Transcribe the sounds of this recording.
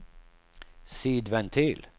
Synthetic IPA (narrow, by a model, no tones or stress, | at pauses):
siːd̪vɛnt̪ʰyːl